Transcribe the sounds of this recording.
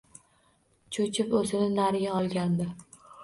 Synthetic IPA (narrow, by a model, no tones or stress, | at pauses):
t͡ʃʰot͡ʃʰɪpɵzɪnɪnaɾɪɡʲaɒlˠɡʲand̪ɪ